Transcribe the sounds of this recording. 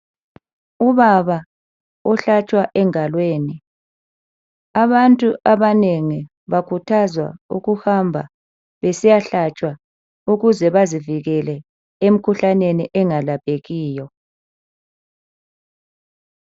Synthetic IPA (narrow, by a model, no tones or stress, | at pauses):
uβaβa | ɔɬat͡ʃʼwaʔɛŋalweːni | aβantʼuʔaβaneŋi | βakʰutʰazwa̰ṵɣuhambʱa̰ | βesijaɬat͡ʃʼwa | uɣuzɛβaziviɣɛlɛ | em̩kʰuɬaneniʔɛŋalab̥ʱeɣiːjɔ